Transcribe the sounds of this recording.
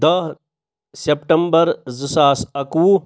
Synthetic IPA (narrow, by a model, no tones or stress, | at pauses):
d̪ɐɦ | sepʈɐmbɐɾzɨsaːsɐku